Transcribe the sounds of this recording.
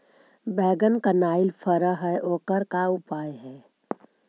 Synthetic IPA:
bɛːɡənkanaːɪlfʰəɾəɦɛʔoːkəɾkaʊpaːjɦɛː

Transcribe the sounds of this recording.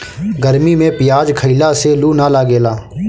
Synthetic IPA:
ɡəɾmiːmẽːpɪjaːd͡ʒkʰəilaːseluːnaːlaːɡeːlaː

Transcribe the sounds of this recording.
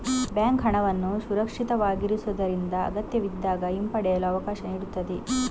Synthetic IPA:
bjaːŋkɦɐɳɐʋɐnːusuɾɐkʂit̪ɐʋaːɡiɾisud̪ɐɾind̪ɐɐ̰ɡɐt̪jɐʋid̪ːaːɡɐimpɐɽɛjɐluɐʋɐkaːʃɐniːɽut̪ːɐd̪e

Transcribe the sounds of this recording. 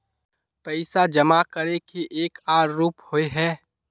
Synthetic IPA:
pɛɪsad͡ʒəmakəɾekiʔeːkaːɾːuːphoeɦɛː

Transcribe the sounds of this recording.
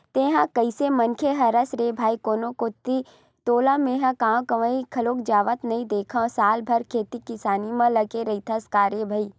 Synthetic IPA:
t̪ẽːɦãkɐisemɐnkʰeɦɐɾɐsɾebʱaːikoːnõkot̪ːi | t̪oːlãmẽːɦãkãːkɐʋəikʰɐloːkd͡ʒaːʋət̪nɐĩd̪eːkʰãsaːlbʱɐɾkʰeːt̪ikɪsaːnimãlɐɡeɾɐit̪ʰɐskaːɾjebʱɐiː

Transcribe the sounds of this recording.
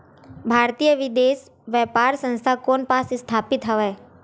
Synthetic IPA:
bʱaːɾt̪iːjəʋɪd̪eːs | ʋjɛːpaːɾsə̃nst̪ʰakoːnpaːsɪst̪ʰaːpɪt̪ɦɛʋɛː

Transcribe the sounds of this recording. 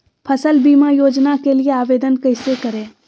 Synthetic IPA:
pʰəsəlbiːmajoːd͡ʒnakelieaːʋeːd̪ənkɐɪsekɐɾẽː

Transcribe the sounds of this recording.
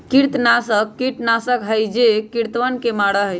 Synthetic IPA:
kiɾt̪nasəkːiɾt̪nasəkɦəjd͡ʒekiɾt̪ʋənkemaɽəɦəj

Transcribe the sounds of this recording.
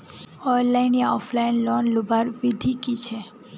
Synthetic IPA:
ɔjllajniaɔfʰlajnlɔnlubaɾbid̪ʱikit͡ɕʰe

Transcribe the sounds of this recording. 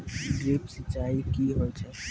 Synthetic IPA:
ɡɾeːpsət͡ʃːaːikiɦoːjt͡ʃʰe

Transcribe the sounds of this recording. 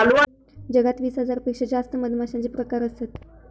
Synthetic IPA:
alua | d͡ʑəɡat̪ʋiːsɦəd͡zaɾpekʂəd͡ʑast̪əməd̪ʱmaɕãt͡sepɾəkaɾəsat̪

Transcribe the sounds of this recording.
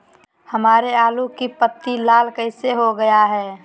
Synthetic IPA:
həmaːɾeaːlukipət̪ːilaːlkəɪseɦoɡəjaɦɛː

